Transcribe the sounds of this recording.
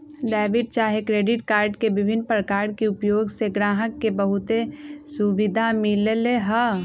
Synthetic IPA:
ɖɛːʋɪʈ̚t͡ʃaːɦekɾeːɖɪʈkaːɾɖkebɪbʱɪnːpɾəkaːɾɖ̚keʊpjoːɡseɡɾaːɦəkːebəɦʊt̪esubɪd̪ʱamɪleleɦə

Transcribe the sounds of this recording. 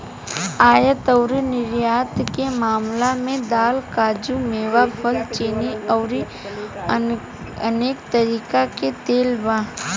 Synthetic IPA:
aːjət̪əʊɾinɪɾjaːt̪kemaːmlamẽd̪aːlkaːd͡ʒumeːʋapʰəlt͡ʃeːniəʊɾi | əneːkt̪əɾiːkaket̪eːlbãː

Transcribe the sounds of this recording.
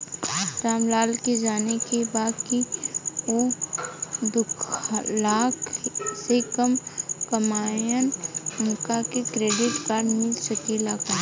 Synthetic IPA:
ɾaːmlaːlked͡ʒaːnekebaːd̪ki | o | d̪ʊkʰlaːkʰsekɐmkɐmaːjənʊŋkakekɾeːɖɪʈkaːɾɖmɪlsɐkilaːka

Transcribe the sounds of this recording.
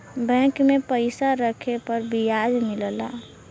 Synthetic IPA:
bɛ̃kmepəɪsaɾəkʰepəɾbijad͡ʒmɪlla̰

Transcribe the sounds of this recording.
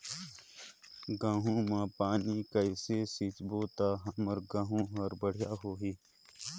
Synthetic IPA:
ɡãːɦũːmãːpaːniːkəiseːsit͡ʃboːt̪aːɦɐməɾɡãːɦũɦɐɾbəɽ̤jaːɦoːɦiː

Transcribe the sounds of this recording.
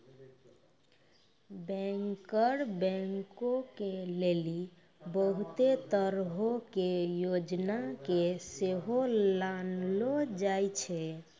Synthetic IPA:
bɛ̃ŋkəɾbɛ̃ŋkokeleli | bəɦut̪et̪əɾɦokejod͡ʒnakeseɦolanlod͡ʒajt͡ʃʰɛ

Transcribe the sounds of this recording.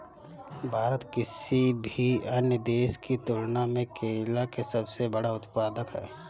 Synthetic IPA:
bʱaːɾət̪kɪsibʱiɐnjəd̪eːʃkit̪ʊɽnamẽkeːlakesɐbsebɐɽaʊt̪paːd̪əkɦɛ̰ː

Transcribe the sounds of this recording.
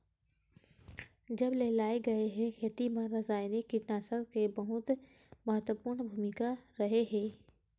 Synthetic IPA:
d͡ʒɐbleːlaːeɡɐeɦɛ̃xʰeːt̪imãɾɐzaːɪnekɪʈnaːsəɾkebɐɦʊt̪ | mɐɦət̪wəpuːɾɳbʱuːmɪkaɾɐɦeɦɛ̃ː

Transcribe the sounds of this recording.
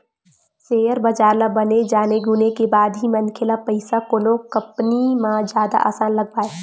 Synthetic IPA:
seːjəɾbɐd͡ʒaːɾlabɐned͡ʒaːneɡʊnekebaːd̪ɦimənkʰelapəɪsakonokɐpnimãd͡ʒjaːd̪a̰ʔa̰ːsaːnlɐɡ̚paːe

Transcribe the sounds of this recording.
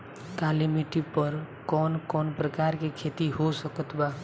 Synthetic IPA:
k̪alimiʈipʌɾ | kɔnkɔnpɾəkaɾkekʰet̪iɦosʌkʌt̪ʰba

